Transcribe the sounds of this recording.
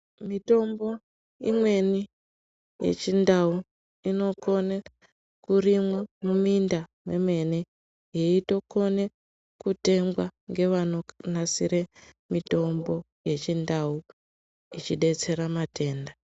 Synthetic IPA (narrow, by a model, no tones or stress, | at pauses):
mito̞mbo̞ | ḭmwe̞ni | je̞̰t͡ʃindau | ino̞ko̞ne | kurimwamumindameme̞ne | jeito̞ko̞ne | kute̞mɡwaŋɡe̞ʋano̞nasiɾe̞ | mito̞mbo̞ | je̞t͡ʃindau | it͡ʃiɗe̞t͡se̞ɾamatʰe̞ːnda